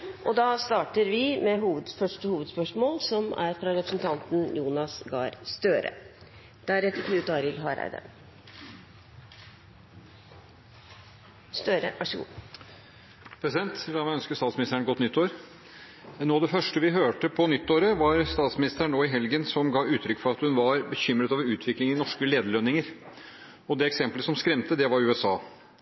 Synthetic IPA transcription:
ʔɔd̪ɑːst̪ɑːʈəɾʋɪmɛɦuːʋəd̪fœʂʈəhuːʋəd̪spœʂmoːlsɔmæ̰ɾfɾɑɾɛpɾə̥sn̩t̪ʰɑnt̪n̩juːnɑsɡɑ̰ːɾst̪øːɾə̰ | d̪̥æɾɛt̪ːəɾkʰnʉːt̪ɑɾɪlɦɑɾæ̰ɪd̪ə̰ɾ | st̪øːɾə̰ʋʔɑʂəɡṵː | pʰɾɛsɪd̪ɛnt̪d̪ɑmæɪœnskəst̪ɑːt̪smɪnɪst̪ɾəɳəɡɔt̪nʏt̪ʰːoːəɾ | noːɑʋd̪ɛfœʂʈəʋɪɦøːʈəpʰɔnʏt̪ːoːɾəʋɑɾst̪ɑːt̪smɪnɪst̪əæɳːoːɪɦɛlɡənsɔmɡɑːʉːt̪ʰɾʏkːfɔɾɑt̪hʉnʋɑɾbəçʏmɾət̪ɑːʋɾʉːt̪ʰʋɪklɪŋɪnɔʂkəleːd̪əɭœnɪŋəɾ | ɔd̪ɛɛksɛmpləsɔmskɾɛmt̪əd̪ɛʋɑɾʉːɛsɑː

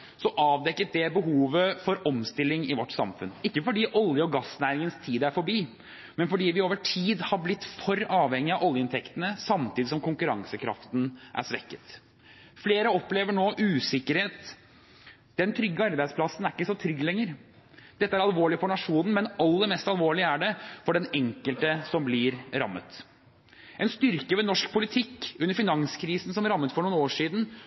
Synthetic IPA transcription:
sɔʔɑːʋd̪ɛkːət̪̚d̪ɛbəɦuːʋəfɔɾɔmst̪ɪlːɪŋɪʋɔʈːsɑ̰mfʉnɪkːəfɔɖiːʔɔljəɔɡɑsnæːɾɪŋənst̪ʰiːd̪æɾfɔɾbiː | mɛnfɔɖiːʋɪoːʋəʈʰiːd̪hɑɾblɪt̪ːfɔɾɑːʋhɛŋːɪɑʔɔljəɪnt̪ʰɛkt̪ənəsɑmt̪ʰiːd̪ɪsɔmkʊŋkʉɾɑ̰ŋsəkʰɾɑ̰ft̪n̩ʔæ̰ʂʋɛkːə̥t̪ | fleːɾəɔpːleːʋəɳoːʔʉːsɪkːəɾheːt̪ | d̪̥ɛnt̪ʰɾʏɡːəɑɾbæɪd̪splɑsːn̩æɾɪkːəsɔt̪ʰɾʏɡlɛŋːəɾ | d̪̥ɛt̪ːəæɾɑlʋoːɭɪfɔɳɑʂuːnn̩mɛnɑlːəɾmɛst̪ɑlʋoːɭɪəæɖɛfɔɖɛnɛŋkəlt̪əsɔmblɪɾɾɑ̰mːə̰t̪ | ʔɛnst̪ʏɾkəʋɛnɔʂkpʰʊlɪt̪ʰɪkːʉnːəɾfɪnɑŋskʰɾiːsn̩sɔmɾɑmːət̪fɔɳuːnoːʂiːd̪n̩

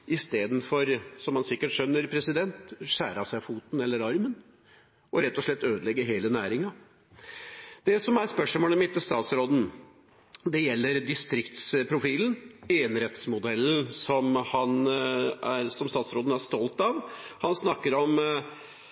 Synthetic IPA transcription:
ʔɪst̪eːd̪nfɔɾsɔmhɑnsɪkːəʈʂœnːəɾpʰɾɛsɪd̪ɛnt̪ɕæːɾɑsæɪfuːt̪n̩ɛlːəɾɑɾmən | ɔɾɛt̪ːɔʂɭɛt̪ːøːd̪əlɛɡːəɦeːlənæːɾɪŋɑ | d̪̥ɛsɔmæɾspœʂmoːləmɪt̪ːst̪ɑːt̪sɾoːd̪n̩ | d̪ɛjɛlːəɾd̪ɪst̪ɾɪkt̪spʰɾʊfiːləneːənɾɛt̪smʊd̪ɛlːn̩sɔmhɑn | æsɔmst̪ɑːt̪sɾoːd̪n̩æɾst̪ɔlt̪ɑʋhɑnsnɑkːəɾɔm

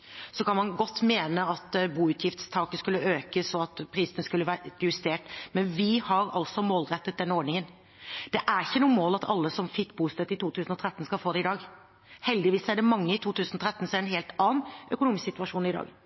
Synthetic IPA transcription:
sɔkɑnmɑnɡɔt̪ːmeːnəɑt̪buːʉːt̪ʰjɪft̪st̪ʰɑːkəskʉlːəøːkəsɔɑt̪pʰɾiːsənəskʉlːəʋæːjʉst̪eːʈmɛnʋɪhɑɾɑ̰lsɔmoːlɾɛt̪ːət̪̚d̪ɛnːəoːɖɳɪŋən | d̪̥ɛʔæɾɪçːənuːəmoːlɑt̪ʰɑlːəsɔmfɪkːbuːst̪ɛt̪ːɪt̪ʰuːt̪ʰʉːsnɔt̪ʰɾɛt̪ːnskɑlfoːd̪ɛɪd̪ɑːɡ | hɛld̪ɪʋiːsæɖɛmɑŋːəɪt̪ʰuːt̪ʉːsnɔt̪ʰɾɛt̪ːn̩sɔæɾɛnɦeːlt̪ɑːnʔœkʊnuːmɪssɪt̪ʉɑʂuːnɪd̪ɑ̰ːɡ

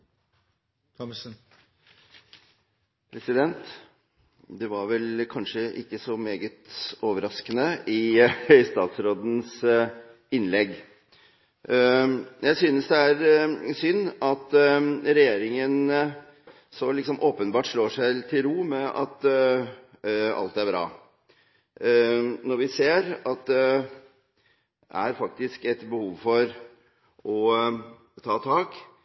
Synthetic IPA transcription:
t̪ʰɔ | pʰɾɛsɪd̪ɛnt̪ | d̪ɛʋɑɾʋɛlkʰɑnʂəʔɪkːəsɔmeːɡət̪oːʋəɾɑskənəɪɪst̪ɑ̰ːt̪sɾoːd̪n̩s | ɪnlɛɡ | jʔæɪsyːnəsd̪ɛæɾsʏnːɑt̪ɾɛjeːɾɪŋən | sɔlɪksɔmʔoːpənbɑːʈʂɭoːʂæɪt̪ʰɪlɾuːmɛʔɑ̰t̪ | ɑ̰lt̪æɾbɾɑ̰ː | nɔɾʋɪseːɾɑt̪̚d̪ɛ | ʔæ̰ɾfɑk̚t̪ɪskɛt̪bəhuːʋfɔɾ | ɔ | t̪ʰɑːt̪ʰɑːk

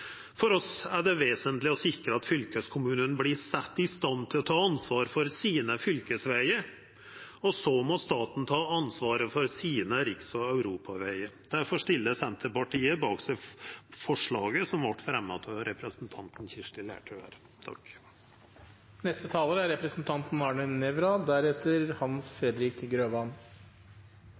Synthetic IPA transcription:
fɔɾɔsæɖɛʋeːsənt̪lɪɔsɪkɾəɑt̪fʏlkəskʰʊmʉːnənblɪsɛt̪ːɪst̪ɑnt̪ʰɪlɔt̪ʰɑːɑnsʋɑːɾfɔɾsiːnəfʏlkəsʋæɪəɾ | ɔsɔmɔst̪ɑːt̪n̩t̪ʰɑːɑnsʋɑːɾəfɔɾsiːnəɾɪksɔɑʉɾuːpɑʋæɪəd̪̥æɾfɔʂt̪ɪlːəsɛnt̪ʰəpɑʈiːəbɑːksɛɪfɔʂɭɑːɡəsɔmʋɑʈːfɾɛmːɑt̪ʰɑɾɛpɾəsnt̪ʰɑnt̪n̩çɪʂʈɪlæ̰ːʈʰʉæ̰ɾ | t̪ʰɑ̰k | nɛst̪ət̪ʰɑːləɾəæɾɛpɾəsn̩t̪ʰɑnt̪n̩ɑɳənɛʋɾɑd̪æɾɛt̪ːəɾhɑnsfɾɛd̪ɾɪkɡɾøːʋɑn

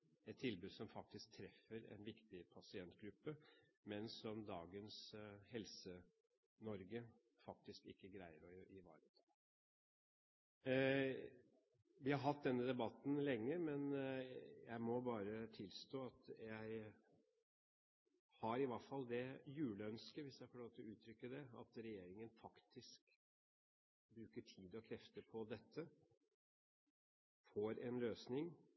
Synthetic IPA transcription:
ɛt̪ʰːɪlbʉːd̪sɔmfɑk̚t̪ɪsk̚t̪ʰɾɛfəɾɛ̰nʋɪkt̪ɪpʰɑsɪɛnt̪ɡɾʉpːəmɛnsɔmd̪ɑːɡənshɛlsə | nɔɾɡə | fɑk̚t̪ɪskɪ̰kːəɡɾæɪəɾɔɪʋɑ̰ːɾət̪ʰ | ʋɪhɑɾɦɑt̪̚d̪ɛnːəd̪ɛbɑt̪n̩lɛŋːəmɛn | jæɪmɔbɑːɾət̪ʰɪlst̪oːɑt̪jæɪ | hɑɾɪʋɑfɑlːd̪ɛjʉːləœnskəʋɪsjæɪfɔɭoːt̪ɪlʉːt̪ʰɾʏkːəd̪ɛɑ̰t̪ɾɛjeːɾɪŋənfɑkt̪ʰɪsk | bɾʉːkəʈʰiːd̪ɔkʰɾɛft̪əpʰɔd̪ɛt̪ʰːə | foːɾɛnløːsnɪŋ

